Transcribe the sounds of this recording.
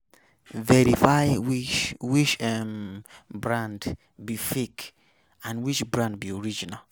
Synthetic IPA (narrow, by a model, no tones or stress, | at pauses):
vɛɹifajwit͡ʃwit͡ʃɛmbɹãnd | bifek | ãnwit͡ʃbɹãnd̚bioɹid͡ʒinal